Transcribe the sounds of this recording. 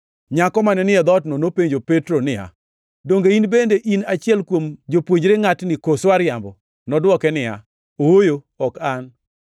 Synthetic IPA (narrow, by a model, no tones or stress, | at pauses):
ɲakɔmanɛnɪɛd̪ɔtnɔnopeɲd͡ʒopetɾonɪja̰ | doŋɡeinbendeʔinat͡ʃɪɛlkwomd͡ʒopwoɲd͡ʒɾeŋatnɪkoswaɾjambɔ | nɔdwɔkɛnɪa̰ | owojo | ɔkan